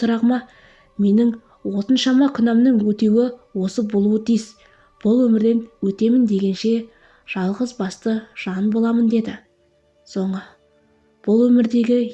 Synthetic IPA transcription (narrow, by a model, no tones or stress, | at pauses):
sʊɾɑʁmɑ | me̞nɪŋ | wo̞t̪ənʃɑmɑkʲʰʏnɑmnəŋwɵt̪ewɪwo̞səbolˠuət̪ʰijz | b̥ʊlˠwɵmɪɾd̪e̞nwɵt̪e̞mɪnd̪e̞ɡʲe̞nʃe̞ | ʒ̥ɑlˠʁəzbɑst̪əʒ̥ɑnbo̞lˠɑmənd̪e̞d̪ɪ | so̞ɴə | b̥ʊlˠwɵmɪɾd̪e̞ɡʲɪ